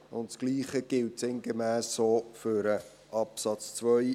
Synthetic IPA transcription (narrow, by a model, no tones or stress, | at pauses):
ʊntsɡ̥liːχəɡ̥ɪltsɪŋɡemæːsːoːfʏɾə | ʔɑpsɑt͡st͡svœj